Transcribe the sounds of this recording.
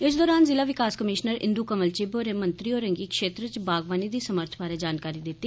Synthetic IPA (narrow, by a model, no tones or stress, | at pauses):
ɪs̬d̪ɔːɾaːnzɪlaːʋɪkaːskəmɪːʃnəɾɪ̰̃nd̪uːkəməlt͡ʃiːboːɾeːmənt̪ɾiːoːɾə̃ŋɡiːkʃeːt̪ɾət͡ʃbaːɡʋaːniːd̪iːsəməɾt̪ʰbaːɾeːd͡ʒaːnkaːɾiːd̪ɪt̪ːiː